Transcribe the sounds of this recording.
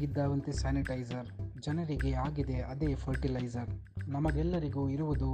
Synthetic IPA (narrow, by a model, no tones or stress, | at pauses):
ɡid̪ːaːʋɐnt̪isaːniʈɐjd͡ʒɐɾd͡ʒɐnɐɾiɡeaːɡid̪e̞ʔɐd̪eːpʰɐɾʈilɐjzɐɾnɐmɐɡɛlːɐɾiɡuːiɾuʋud̪u